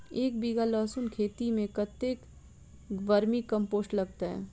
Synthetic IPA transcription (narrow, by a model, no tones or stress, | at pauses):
eːk̚biɡalɔːsʊnkʰeːt̪imẽkɐt̪eːk | ʋɐɾmikɐ̃mpoːsʈlɐɡt̪aɦɛ̰̃ː